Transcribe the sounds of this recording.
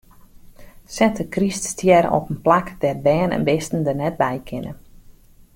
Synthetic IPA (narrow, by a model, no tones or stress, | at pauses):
sɛntəkriststʰjɛɾ̰ɔ̰pənplakdɛrbɛːnɛ̰nbɪstən̩dərnɛt̚bɛjkʰɪnə̰